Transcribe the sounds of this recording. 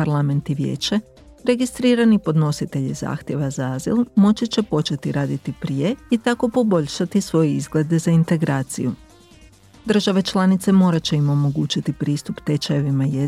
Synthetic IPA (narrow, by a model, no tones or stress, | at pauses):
aɾlˠame̞nt̪iʋjḛːt͡ɕe | ɾe̞ɡist̪ɾiːɾanipo̞d̪no̞sit̪e̞ʎiza̰ːxt̪je̞ʋazaazḭlˠmo̞t͡ʃit͡ɕe̞po̞t͡ʃe̞t̪iɾaːd̪it̪ipɾije̞it̪ako̞po̞bo̞ʎʃat̪isʋo̞jeizɡle̞d̪e̞zaint̪e̞ɡɾaːt̪sḭju | d̪r̩ʒaʋe̞t͡ʃlˠanit̪se̞mo̞ːɾat͡ɕe̞imo̞mo̞ɡuːt͡ʃit̪ipɾiːst̪upt̪e̞t͡ʃajeʋimaje